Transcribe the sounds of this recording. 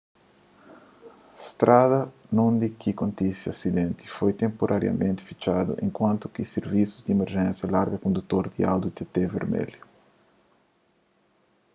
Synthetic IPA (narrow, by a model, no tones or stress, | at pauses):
st̪ɾaðɐnũnd̪ikʰikõnt̪isiasid̪ẽnt̪i̥fojt̪ẽmpoɾʔaɾja̰mẽnt̪ɪ̥fi̥t͡ʃad̪ṵʔḛ̃ŋkwãnt̪ʊ̥kiseɾvisuzd̪iemeɾʒɛ̃nsjɐlaɾɡɐkõnd̪ut̪oɾd̪ia̰wd̪ut̪et̪evḛɾmɛ̰ljʊ